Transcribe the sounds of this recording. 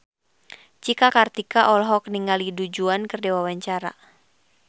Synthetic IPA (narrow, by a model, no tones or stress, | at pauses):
t͡ʃikakart̪ikaʔɔlɦɔk̚niŋɡalidud͡ʒuankɨrdewawaɲt͡ʃaɾa̰